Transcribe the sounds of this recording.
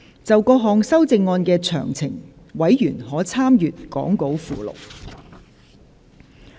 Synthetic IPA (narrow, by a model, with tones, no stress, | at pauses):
t͡sɐ˨wkɔː˧ɦɔː˨ŋsɐ˥wt͡sɪ˧ŋːɔː˧nkɛː˧t͡ʃʰœ̰ː˨˩ŋt͡sʰɪ˨˩ŋ | wɐ˨˥jjyː˨˩nhɔː˨˥t͡sʰaː˥mjyː˨t̚kɔ̰ː˨˥ŋko˨˥wfuː˨lo̰˨˩w